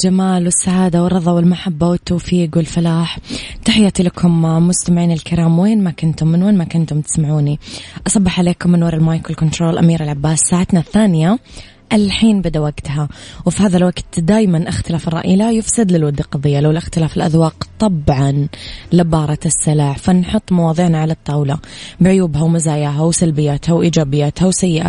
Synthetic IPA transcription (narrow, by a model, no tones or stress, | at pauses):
d͡ʒamaːlwɪsːaʕaːd̪awrˤːɑðˤɑwɪlmaħabːawɪt̪ːoːfiːɡwɪlfɪlaːħt̪aħɪjːat̪ilakʰʊmmʊst̪amʕiːnɪlkɪɾaːmweːnmakʊnt̪ʊmːɪnweːnmakʊnt̪ʊmt̪ɪ̥smaʕuːniʔɑsˤɑbːɪħʕaleːkʊmːɪnwɑɾˤɪlmaːjkɾɪlkʊnt̪ɾoːlʔa̰miːɾɪlʕabːaːsːaːʕat̪naθːaːnɪja | ʔɪlħiːnbɪd̪awaɡt̪hawfihaːðalwaɡt̪d̪aːjmanʔaxt̪ɪlaːfɪrˤːɑ̰ʔɪːlajɪfsɪd̪lɪlwad̪ːiqɑðˤɨjːalawlʔɪxt̪ɪlaːfɪlʔa̰ðwɑːqt̪ˤɑbʕɑnlɪbɑːɾˤɑt̪ɪsːɪlaːħfanħʊt̪ˤːmɑwɑːðˤiʕnaʕalat̪ˤːɑːwlabɪʕʊjuːbhawmɪzaːjaːɦawsalbɪjːaːt̪hawʔiːd͡ʒaːbɪjːaːt̪hawsajːɪʔa̰